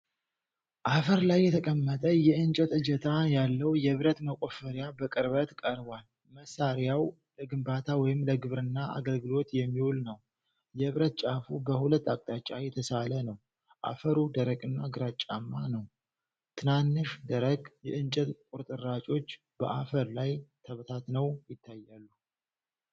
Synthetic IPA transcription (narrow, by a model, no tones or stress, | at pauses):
ʔafəɾlajːɛt̪ʰəkʼəmːət̪ʼəjɛɨnt͡ʃʼɛt̪ɨd͡ʒɛt̪ʰajalːəwjɛβɾət̪məkʼo̞fəɾjabəkʼɨɾβət̪kʼəɾbwal | məsaɾjaw | ləɡɨmbat̪ʰawɔjɪmləɡɨβɾɨnːaʔa̰ɡəlɡɨlo̞t̪jɛmːiwʊlnəw | jɛβɾət̪̚t͡ʃʼafubəhulət̪ːakʼt̪ʼat͡ʃʼajɛt̪ʰəsalənəw | ʔa̰fəɾud̪əɾəɡʼɨnːaɡɨɾat͡ʃʼːamːanəw | t̪ʰɨnanːɨʃd̪əɾəɡʼjɛʔɨnt͡ʃʼət̪kʼuɾt̪ʼɨɾːat͡ʃʼo̞t͡ʃː | b̥əʔafəɾlajt̪ʰəβt̪ʰat̪nəwjɪt̪ʰːajːalːu